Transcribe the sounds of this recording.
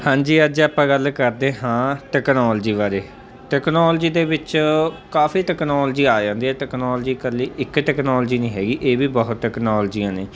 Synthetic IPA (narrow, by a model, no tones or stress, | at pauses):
hãːɲd͡ʒiːəd͡ʒaːpãːɡəlkəɾd̪eːɦãːʈɛːknɔːld͡ʒiːbaːɾeː | ʈɛːknɔːld͡ʒiːd̪eːbɪt͡ʃkaːfiːʈɛːknɔːld͡ʒiːaːd͡ʒãːnd̪iːɛːʈɛːknɔːld͡ʒiːkəliːʔɪkʈɛːknɔːld͡ʒiːnĩːɦɛːɡiːʔeːbiːbəɦʊt̪ʈɛːknɔːld͡ʒiːãːneː